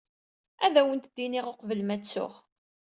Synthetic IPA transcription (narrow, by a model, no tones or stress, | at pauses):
æðæwənt̪d̪ːinɪʁoqvəlmæt͡sːʊ̰ʁ